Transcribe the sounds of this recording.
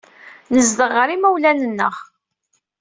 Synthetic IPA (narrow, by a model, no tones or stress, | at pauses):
nəzd̪əʁəɾimæwlænənːəʁ